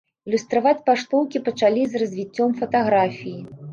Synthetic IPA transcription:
ilʲust̪ɾavat͡sʲpaʂt̪ɔwkʲipɐt͡ʂalʲizrɐzʲvʲit͡sʲːɔmfɐt̪aɣɾafʲiji

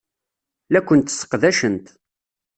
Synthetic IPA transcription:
lækʷːənt̪sːə̥qðæʃənt̪

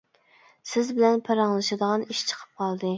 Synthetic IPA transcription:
sɪzbɪlɛnpʰɑɾɑŋlˠɨʃɨd̪əʁɑniʃt͡ʃʰə̥qʰə̥p̚qʰɑlˠd̪ɨ

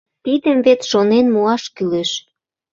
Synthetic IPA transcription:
t̪id̪əmvet̪ʃonenmuɑʃkyleʃ

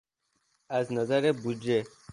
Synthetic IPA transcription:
aznazaɾebud͡ʒe

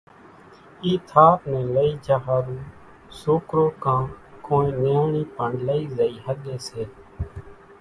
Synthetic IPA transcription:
iːt̪ʰaːpnɛ̃ːləiːd͡ʒaːɦaːɾũː | soːkɾoːkãːkoːĩːneːɳiːpəɳɖləiːzəiːɦəɠeːseː

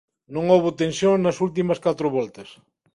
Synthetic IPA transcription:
nõŋoβʊt̪ẽnsjõŋnɐsult̪̬imɐskat̪ɾʊβɔlt̪ɐs

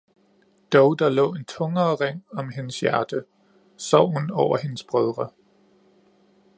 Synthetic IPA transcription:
d̥ɒʊd̥ɑ̈lɔ̰̽ːe̝nt͡sʰɔ̽ŋɐːʁeŋ̰ɒ̽mɦe̝nəsjæɐd̥ə | sɒʊ̰hunɒʊ̰ɐhe̝nəsb̥ʁɛð̞ˠʁɐ

